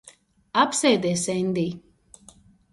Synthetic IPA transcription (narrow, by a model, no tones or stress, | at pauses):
apsɛd̪ɛsɛnde